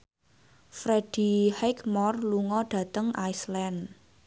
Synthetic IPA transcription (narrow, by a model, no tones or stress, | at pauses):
fɾed̥i̤hɛkmɔrluŋɔɖ̥ä̤t̪əŋajslɛn